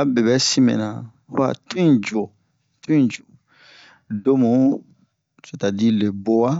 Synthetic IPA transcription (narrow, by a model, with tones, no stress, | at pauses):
a˦be˨bɛ˦sĩ˦mɛ̰̃˨nã˨˦ | a̰˨tĩ˦d͡ʒu˨o˨ | tĩ˦˨d͡ʒo˨ | do˦mũ˨˦ | se˨ta˨di˦le˨bo˦wa˦